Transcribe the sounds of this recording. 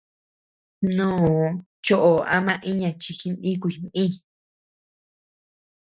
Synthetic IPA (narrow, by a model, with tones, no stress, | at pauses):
nũː˦˨˧ | t͡ʃo˦ʔo˨a̰˦mã˧ʔĩ˦ɲã˧t͡ʃi˧xi˧nʔĩ˦kʷu˧˨mĩ˦